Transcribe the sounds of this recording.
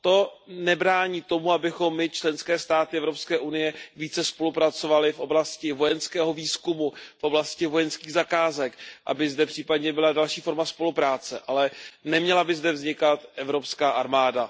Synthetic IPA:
t̪o̞nɛbɾaːɲiːt̪o̞muabɪxo̞mːɪt͡ʃlɛnskɛːst̪aːt̪ɪʔɛvɾo̞pskɛːʔunɪjɛviːt͡sɛspo̞lupɾat͡so̞valɪfʔo̞blascɪvo̞jɛnskɛːɦo̞viːskumufʔo̞blascɪvo̞jɛnskiːɣzakaːzɛkʔa̰bɪzdɛpr̝̥iːpadɲɛbɪladalʃiːfo̞ɾmaspo̞lupɾaːt͡sɛʔalɛnɛmɲɛlabɪzdɛvzɲɪkat̪ʔɛvɾo̞pskaːʔaɾmaːda

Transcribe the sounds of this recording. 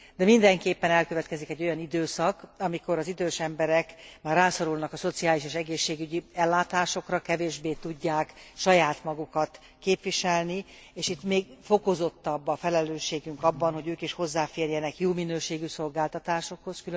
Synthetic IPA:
d̪ɛmind̪ɛŋkeːpːɛnɛlkø̞vɛt̪kɛzikɛɟːojɒnid̪øːsɒkɒmiko̞ɾɒzid̪øːʃɛmbɛɾɛkmaːrːaːsoɾulnɒkɒso̞t̪siaːliʃeːʃɛɡeːʃːeːɡyɟiɛlːaːt̪aːʃo̞krɒkɛveːʒbeːt̪uɟːaːkʃɒjaːt̪mɒɡukɒt̪ | keːpʋiʃɛlni | eːʃit̪meːɡfo̞ko̞zo̞t̪ːɒbːɒfɛlɛløːʃːeːɡyŋkɒbːɒnho̞ɟøːkiʃho̞zːaːfeːrjɛnɛkjoːminøːʃeːɡyso̞lɡaːlt̪ɒt̪aːʃo̞kho̞skyl

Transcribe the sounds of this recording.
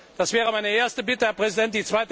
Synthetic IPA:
d̥asv̥ɛːʁəmaɪnəeːɐstəbɪtəhɛɐpʁ̥ɛzidɛnt̚d̥iːt͡sv̥aɪtə

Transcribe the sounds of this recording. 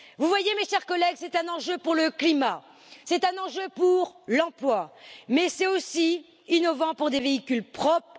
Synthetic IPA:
vuvwajemeʃɛʁkɔlɛɡsɛt̪ɛ̃nɑ̃ʒøpuʁləklima | sɛt̪ɛ̃nɑ̃ʒøpuʁlɑ̃plwamɛsɛtosi | inɔvɑ̃puʁd̪eveikʲylpχɔpχ

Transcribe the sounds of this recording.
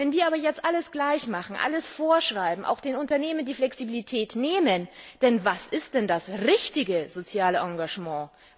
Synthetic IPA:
vɛnviːɐaːbɐjɛt͡stʔaləsɡ̥laɪçmaχn̩ʔa̰ləsfoːɐʃʁ̥aɪbm̩ʔa̰ʊxd̥eːnʊntɐneːməndiːflɛksibilitʰɛːtneːmənd̥ɛnvasɪst̚d̥ɛndasʁɪçtɪɡəzot͡sjaːləʔãŋɡaʒmɑ̃ː

